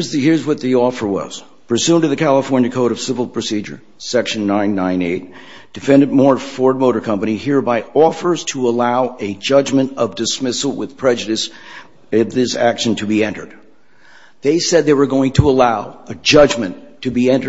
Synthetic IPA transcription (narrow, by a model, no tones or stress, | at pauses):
zðɨhɪɹzwʌt̪̚ðiɔfə˞wʌ̰z̥ | pʰɹ̥ɨsʉ̃ntɨðɨkʰælˠəfɔɹnjɨkʰoʊɾʌv̥sɪvl̩ˠpʰɹ̥ɨsid͡ʒə̰˞ | sɛkʃɨ̃n̩ːãɪ̃nːãɪ̃nḛɪt̚ | d̥ɨfɛ̃ndɨd̚mɔɹfɔɹd̚moʊɾə˞kʰʌ̃mpɨnihiɹbaɪɔfə˞z̥tʰəəlaʊɨd͡ʒʌd͡ʒmɨ̃ntʌvdɨsmɪsl̩ˠwɪð̥pʰɹ̥ɛd͡ʒɨɾɨs | ɪvðɪsækʃɨ̃n̩tʰɨbiɛ̃ntə̰˞d̪̚ | ðeɪsɛd̪̚ðeɪwə˞ɡoʊɪ̃ŋtʰəəlaʊɨd͡ʒʌd͡ʒmɨ̃nʰɨbiɛ̃ntə